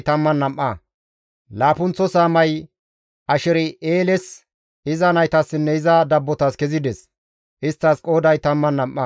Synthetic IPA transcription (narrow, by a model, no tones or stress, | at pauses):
t̪ɐmːɐnːɐmʔːɐ | laːpʊnt͡sːɔsaːmɐj | ʔɐʃɛɾɪeːlɛs | ɪzɐnɐjt̪ɐsːɪnːɛɪzɐd̪ɐbːɔt̪ɐskɛzɪd̪ɛs | ʔɪst̪ːɐskʼo̞ːd̪ɐjt̪ɐmːɐnːɐmʔːɐ